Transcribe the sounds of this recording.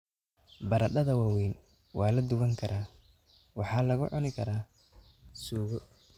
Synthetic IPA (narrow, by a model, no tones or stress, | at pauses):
bɐɾɐɗɐðɐwɑːwɛjn | wʔɑːlɐd̪ʊβɐŋkʰɐɾʔaː | wɑħɑːlɐɣʊʕɔnɪkʰɐɾaː | suːɣɔ